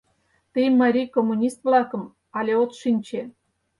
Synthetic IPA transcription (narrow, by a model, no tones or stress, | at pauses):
t̪əjmːɑɾʲijkomːunʲist̪̚vlɑkɤ̆m | ɑlʲeot̪ʃinʲt͡ɕe